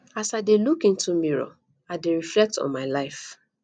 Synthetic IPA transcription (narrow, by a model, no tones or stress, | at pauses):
asaɪdelukĩntumiɹo̰ | aɪdeɹiflɛk̚tɔ̰̃nmaɪlaɪf